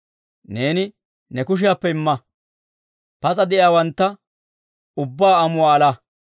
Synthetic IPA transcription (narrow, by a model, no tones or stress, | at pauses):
ne̞ːnɪ | nɛkʊʃ̬ɪjaːpːɛɪmːɐ | pɐt͡sʼɐd̪ɛʔjaːwɐnt̪ːɐ | ʊbːaːɐmʊwaːla